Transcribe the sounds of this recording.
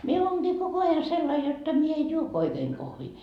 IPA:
mie oːnɡ̊iː koko ɑjɑ selːɑi jotːɑ mie ej juo oikeːŋ kohʋiː

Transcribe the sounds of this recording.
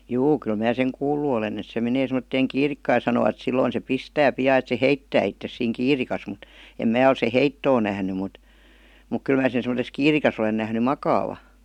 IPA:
juː kyl mæː seŋ kuːlːu olen et se meneː semˑə̆tːeːŋ kiːrikːɑː jɑ sɑnoʋɑt silːoin se pistæː piɑː et se heitːæː itːes siːŋ kiːrikɑs mut em mæː ol se heitːoː næhny mut muk kyl mæː sen̞ semə̆ses kiːrikɑs olen næhny mɑkɑːʋɑ

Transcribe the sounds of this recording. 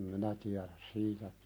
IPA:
minæ tiæɾæs siːtæ

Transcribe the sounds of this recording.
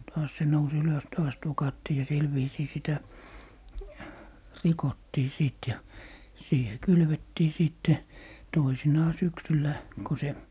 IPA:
tɑːs se nous yløs tɑːs tokɑtːiː jɑ sil ʋiːsiː sitæ rikotːiː siˑt jɑ siːhe kylʋetːiː siˑtːe toisinɑː syksylːæ ko se

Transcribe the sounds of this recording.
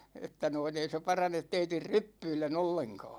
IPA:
etːæ noin ei se pɑrɑnet teitir rypːyilːen olːeŋkɑ̝ː

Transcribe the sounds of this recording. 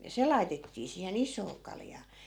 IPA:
jɑ se lɑi̯tetːiː siːhen isˑoː kɑljɑː

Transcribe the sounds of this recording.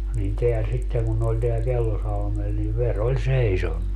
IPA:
nin teæ sitːeŋ kun ne olʲ teæl kelːosɑlmel ni ʋer olʲ seisonːu

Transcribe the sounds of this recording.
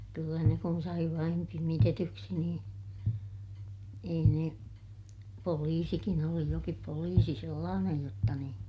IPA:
kylːæ ne kun sɑi ʋɑin pimitetyksi niːn ei ne poliːsikin oli jokip poliːsi selːɑːnej jotːɑ niːn

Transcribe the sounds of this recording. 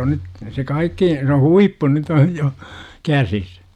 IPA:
on nyt se kɑikːi se huipːu nyt oj jo kæsis

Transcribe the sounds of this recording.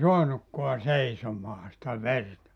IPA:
soɑnukːoɑ seisomɑː sĭtæ ʋertɑ

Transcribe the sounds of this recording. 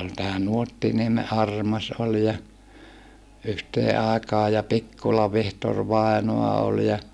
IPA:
ol tæː nuotːinieme ʔɑrmɑs ol jɑ yhteː ɑˑekɑː jɑ pikːulɑ ʋihtor ʋɑˑinoɑ ol jɑ

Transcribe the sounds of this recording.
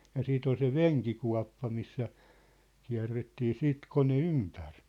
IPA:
jɑ siːt ol se ʋeŋkikuɑ̝pːɑ misːæ kiæ̝rːetːiː siːt kone ympær

